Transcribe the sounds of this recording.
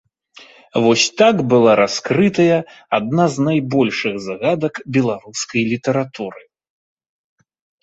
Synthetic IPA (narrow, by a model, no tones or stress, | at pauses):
vɔsʲt̪akbɨlˠaɾaskɾɨt̪ɐjɐad̪̚naznajbɔlʲʂɨɣzaɣad̪ɐkbʲɛlˠaɾuskɐjlʲit̪ɐɾat̪uɾɨ